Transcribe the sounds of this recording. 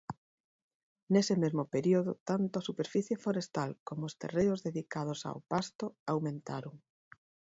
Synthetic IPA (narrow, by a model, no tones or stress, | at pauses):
nesemezmʊpeɾioðʊt̪ant̪oɐsupeɾfiθjefoɾest̪alkomoːst̪ḛrejʊzðeðikað̞ʊsa̰wpast̪ʊawmẽnt̪a̰ɾoŋ